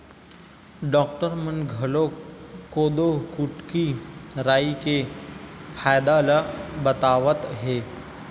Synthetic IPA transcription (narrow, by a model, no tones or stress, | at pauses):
ɖɔːkʈəɾmənɡʱɐloːkːoːd̪okʊʈkiɾaːike | pʰaːjd̪aːlabət̪aːʋət̪ɦɛː